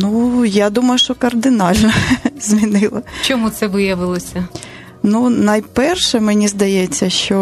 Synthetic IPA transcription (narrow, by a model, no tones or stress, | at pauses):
nujad̪umɐjʊʃt͡ʃɔkɐrd̪ɪnɑlʲnɐzʲmʲinɪlˠɐt͡ʃɔmut̪sɛʋɪjɐʋɪlˠɔsʲɐ | nunɐjpɛrʃɛmenʲizd̪ɐjɛt͡sʲːɐʃt͡ʃɔ